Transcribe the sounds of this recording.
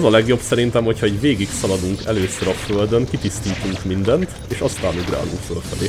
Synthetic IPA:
ɛzɒlɛɡjo̞bsɛɾint̪ɛmho̞chɒɛɟveːɡiksɒlɒd̪uŋkɛ̰løːsøɾɒføld̪øŋkit̪ist̪iːt̪uŋkmind̪ɛnt̪ | eːʃɒst̪aːnuɡra̰ːlo̰ːfølfɛlḛː

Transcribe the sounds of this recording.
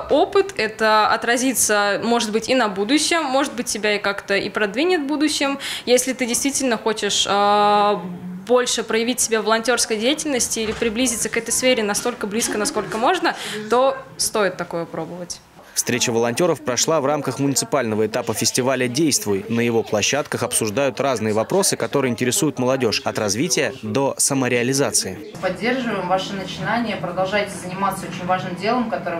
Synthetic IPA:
o̞pɨt̪ɛt̪əɐ̰t̪ɾɐzʲit̪səmo̞ʐɨd̪̚bɨtʲinɐbud̪ʊɕːɪmːo̞ʐɨt̪̚bɨt̚ʲːɪbʲaɪkakt̪əḭpɾɐd̪vʲinʲɪt̪vbud̪ʊɕːɪmjesʲlʲɪt̪ɨdʲɪjst̪vʲitʲɪlʲnəxo̞t͡ɕɪʂə | bo̞lʲʂɨpɾəjɪvʲitʲsʲɪbʲavəlˠɐnʲtʲo̞rskəjdʲejɪtʲɪlʲnəsʲtʲɪilʲɪpɾʲɪblʲizʲɪt̪səkɛt̪əjsfʲeɾʲɪnɐst̪o̞lʲkəblʲiskənɐsko̞lʲkəmo̞ʐnət̪o̞st̪o̞jɪt̪ːɐko̞jəpɾo̞bəvətʲ | fst̪ɾʲet͡ɕəvəlˠɐnʲtʲo̞ɾəfpɾɐʂlˠavramkəxmʊnʲɪt̪sɨ̥palʲnəvəɪt̪apəfʲɪsʲtʲɪvalʲədʲejst̪vʊjnəjɪvo̞plˠɐɕːat̪kəxɐpsʊʐd̪ajʊt̪raznɨjəvɐpɾo̞sɨkɐt̪o̞ɾɨjəɪnʲtʲɪɾʲɪsujʊt̪məlˠɐdʲo̞ʂɐt̪rɐzvʲitʲɪjəd̪o̞səməɾʲɪɐlʲɪzat̪sɨɪ | pɐdʲːe̞rʐɨvəjɪmvaʂɨnət͡ɕɪnanʲɪjəpɾəd̪ɐlˠʐajtʲɪzənʲɪmat̪səot͡ɕɪnʲvaʐnɨmdʲe̞lˠəmkɐt̪o̞ɾɨ

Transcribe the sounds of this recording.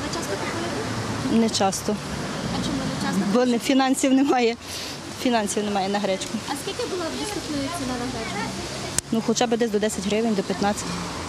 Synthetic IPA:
t͡ʃast̪ɔɐ | nɛt͡ʃɑst̪ɔ | mbɔnfʲinɑnʲsʲiwnemɑjɛ | fʲinɑnʲsʲiwnemɑjɛnɐɦɾɛt͡ʃkʊɐskʲilʲkʲɪbʊlˠadʲist̪ut̪nɔjʊt͡sʲinanɐɦɾɛt͡ʃkʊ | nuxɔt͡ʃɑbɪd̪ɛsʲd̪ɔd̪ɛsʲɐtʲɦɾɪʋɪnʲd̪ɔpʲjɐt̪nɑt͡sʲɐ̥t̪

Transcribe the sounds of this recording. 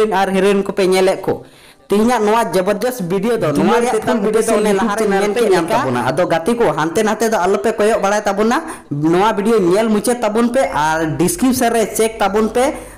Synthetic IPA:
naɾɦɛɾunkɔpɛɲɛlɛʔkɔ̰ | t̪iɦiɲaʔnɔwad͡ʒəbəɾd̪ɔsbiɖijod̪ɔnɔwaɾɛjaɛt̪abiɖiod̪ɔnɛlaɦaɾɛmɛamkabna̰ad̪ɔɡat̪ikɔɦant̪ɛnaɦat̪ɛd̪ɔalɔpɛkɔjɔʔ̚baɽajt̪abɔna | nɔwabiɖijoɲɛlmut͡ʃɛt̪ːabunpɛʔaɾɖiskɾip̚səɾɛt͡ʃɛk̚t̪abunpɛ

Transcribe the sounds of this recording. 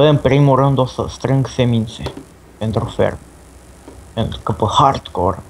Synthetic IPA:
eəmpɾimurɨnd̪osə̰st̪ɾɨŋɡsemint̪se | pent̪ɾufḛrm | pent̪ɾukəpəhart̪ko̰r

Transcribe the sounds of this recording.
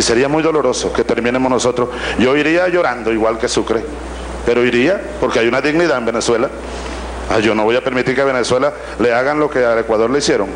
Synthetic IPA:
ise̞ɾiamujðolo̞ɾo̞soke̞t̪e̞ɾmĩne̞mosno̞so̞t̪ɾosʝo̞iɾiaʝo̞ɾand̪o̞iɣwalke̞sukɾe | pe̞ɾo̞iɾia | po̞ɾkeajunaðiɣniðaembene̞swe̞la | aʝo̞no̞βojape̞ɾmit̪iɾkeaβe̞neswe̞la | le̞aɣanlo̞ke̞ale̞kwaðo̞ɾleisje̞ɾo̞ŋ

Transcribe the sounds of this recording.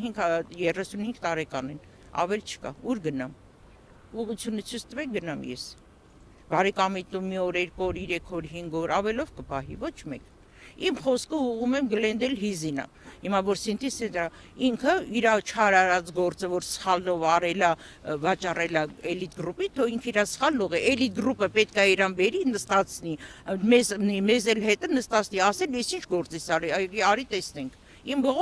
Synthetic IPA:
hiŋɡjɛrɛsunhiŋɡt̪ɑɾɛkɑnɛn | ɑ̰vɛlt͡ʃʰə̥kɑ̰uɾɡənɑm | uʁut͡sʰjunət͡sʰət͡sʰt̪əvɛk̚ɡənɑmjɛ̰s | bɑɾɛkɑmit̪umiɔɾɛɾkɔɾiɾɛkʰɔɾɦiŋɡɔɾɑvɛlɔvkəpɑɦḭvɔt͡ʃʰmɛ̰k | imχɔskʰəuʁumɛmɡəlɛnd̪ɛlɦizinɑ̰ | himɑvɔɾsint̪ʰisɛnt̪ɾɑiŋkʰəiɾɑt͡ʃʰɑɾɑɾɑt͡sɡɔɾt͡səvɔɾsə̥χɑlnɔvɑrɛlɑvɑt͡ʃɑrɛlɑɛlit̪̚ɡɾupit̪ʰɔiŋkʰiɾɑsə̥χɑlːɔʁɛʔɛlit̪̚ɡɾupəpɛt̪kɑiɾɑnbɛɾinəst̪ɑt͡sʰnimɛznimɛzɛlhɛt̪ənəst̪ɑt͡sʰniɑsɛljɛsint͡ʃʰɡɔɾt͡sɛsɑɾiɑɑɾit̪ɛsnɛŋkʰ | imbɔʁɔ

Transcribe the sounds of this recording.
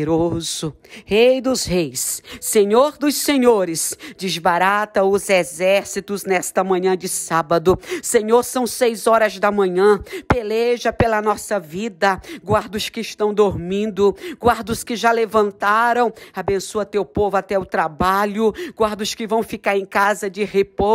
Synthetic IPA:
ɾoz̥ʊ | hejd̪ʊzhejsːẽɲoɾd̪ʊssẽɲoɾɪsd͡ʒɪzbaɾat̪ɐʊzezɛɾsit̪ʊznɛst̪ɐmɐ̃ɲɐ̃d͡ʒɪsabɐd̪ʊsẽɲoɾsɐ̃w̃sejzɔɾɐzd̪ɐmɐ̃ɲɐ̃peleʒɐpelɐnɔsɐvid̪ɐɡwaɾd̪ʊskɪɪʃt̪ɐ̃w̃d̪oɾmĩnd̪ʊɡwaɾd̪ʊskɪʒalevɐ̃nt̪aɾɐ̃w̃abẽsuɐt̪ewpovʊat̪ɛʊt̪ɾabaʎʊɡwaɾd̪ʊskɪvɐ̃w̃fikaɾẽj̃kazɐd͡ʒɪhepo

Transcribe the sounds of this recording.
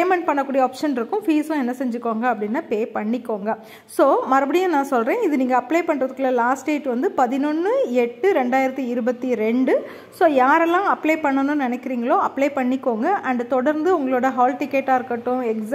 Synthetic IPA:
eːmɛɳʈ̚pɐɳːɐkːuːɽijɐoːpʂɐnɪɾɯkːʊ̃fiːsʊ̃ɛnːɐsɛɲd͡ʒɯkːoːŋɡɐːpːɐɽɪnːaːpeːpɐɳːɪkːoːŋɡɐ | soːmɐɾɐbɐɽɪjɐ̃ːnãːsɔlɾẽːɪðɯniːŋɡɐːpːleːpɐɳːɾɐðɯkːɪlːɐlaːsʈeːʈʋɐnd̪ɯpɐðɪnɔnːɯɛʈːɯɾɛɳɖaːjɪɾɐt̪ːiɪɾɯbɐt̪ːiɾɛɳɖɯ | soːjaːɾɛlːãːɐpːleɪpɐɳːɐnɯ̃nnɪnɛkːɪɾiːŋɡɐɭoːɐpːleːpɐɳːɪkːoːŋɡɐʔɐɳɖt̪ɔɽɐɾnd̪ɯʊŋɡɐɭoːɽɐɦaːlʈɪkːɛʈːaːɪɾɯkːɐʈːʊ̃ɛks

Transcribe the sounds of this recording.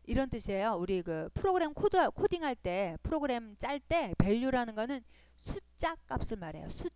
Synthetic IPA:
iɾʌnt͈ɯɕʰiejouɾikɯpʰɯɾoɡɯɾe̞mkʰodkʰodiŋɦaɭt͈e̞pʰɯɾoɡɯɾe̞mt͡ɕ͈aɭt͈e̞pe̞ʎːuɾanɯnɡʌnɯn | sʰut͡ɕ͈ak͈̚ːap̚s͈ɯɭmaɾe̞̰josʰu

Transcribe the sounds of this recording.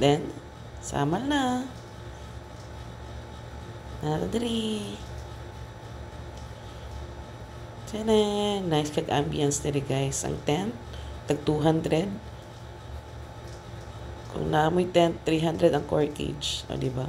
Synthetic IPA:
d̪ɛn | sa̰ːmɐlna | nat̪ad̪ɾi | sɛnɛŋnajskɐɡʔa̰mbijansd̪ɛɾiɡajsʔɐ̰ŋt̪ɛnt̪ːɐɡ̚t̪uɦand̪ɾɛd̪̚ | kʊ̰ŋnamojt̪ɛnt̪ːɾiɦand̪ɾɛd̪ɐŋko̰ɹt̪ɪ̰d͡ʒʔo̰d̪ɪba

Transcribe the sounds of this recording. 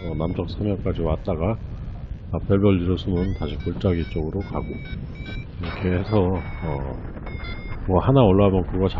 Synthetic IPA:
ʌnamt͡ɕʌk̚sʰamjʌŋk͈ad͡ʑiwat͈aɡaː | peɭbʌʎːiɾɯsʰumɯntaɕʰikoɭt͡ɕ͈aɡit͡ɕ͈oɡɯɾokaɡo | kʰeesʰʌʌ | mʌhanaʌɭːaɦamjʌnkɯɡʌt͡ɕa

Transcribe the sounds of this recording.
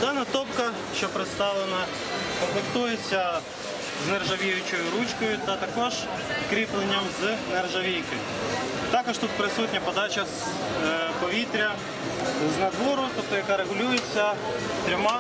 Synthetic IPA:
d̪ɑnɐt̪ɔpkɐ | ʃt͡ʃɔpɾɪt̪st̪ɑʋlˠenɐ | kɔmplˠekt̪ujet͡sʲːɐ | znerʒɐʋʲijʊt͡ʃɔjʊɾut͡ʃkɔjʊt̪ɐt̪ɐkɔʒ | kɾʲiplˠenʲːɐmznerʒɐʋʲijkɪ | t̪ɑkɔʃt̪ut̪̚pɾɪsutʲnʲɐpɔd̪ɑt͡ʃɐz | pɔʋʲit̪ɾʲɐ | znɐd̪ʋɔɾʊt̪ɔp̚t̪ɔjɐkɑɾeɣʊlʲujet͡sʲːɐ | t̪ɾʲɔmɑ

